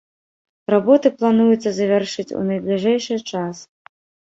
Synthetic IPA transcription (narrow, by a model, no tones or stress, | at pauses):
rabɔt̪ɨplˠanujut̪sːɐzɐvʲarʂɨt͡sʲṵnɐjd̪lʲiʐɛjʂɨjt͡ʂas